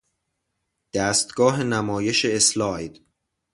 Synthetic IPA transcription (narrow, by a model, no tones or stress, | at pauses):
d̪̥æːst̪ɡ̥ɒːɦenæmɒːje̞ʃeːslɒːjd̪̥